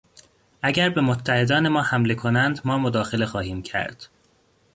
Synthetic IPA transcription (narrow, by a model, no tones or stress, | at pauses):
ʔæɟæɾbe̞mot̪ʰːæhe̞d̪ɒːne̞mɒːhæmle̞kʰo̞nænd̪mɒːmod̪ɒːxe̞le̞xɒːhiːmcʰæ̰ɾd̪̥